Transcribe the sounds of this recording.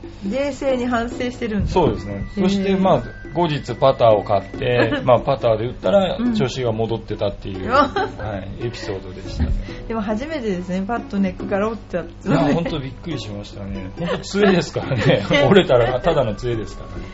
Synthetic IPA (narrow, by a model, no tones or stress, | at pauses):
ɾe̞ːse̞ːɲ̟iɦãɰ̃se̞ːɕi̥t̪e̞ɾɯ̟̃nso̞ːd̪e̞sɨne̞so̞ɕi̥t̪e̞maː | ɡo̞ʑit͡sɨpat̪aːo̞kat̪ːe̞mapat̪aːd̪e̞ɯ̟t̪ːaɾat͡ɕo̞ɕiɡamo̞d̪o̞t̪ːe̞t̪at̪ːe̞jɯ̟̰haie̞pʲi̥so̞ːd̪o̞d̪e̞ɕi̥t̪ad̪̥e̞mo̞ɦaʑime̞t̪e̞d̪e̞sɨne̞pat̪ːo̞ne̞kːɯ̟kaɾaot͡ɕːat̪aõ̞nt̪o̞bʲikːɯ̟ɾʲiɕimaɕi̥t̪ane̞hont̪o̞t͡sɨe̞d̪e̞sɨ̥kaɾaneoɾe̞t̪aɾaat̪ad̪ano̞t͡sɨe̞d̪e̞sɨ̥kaɾa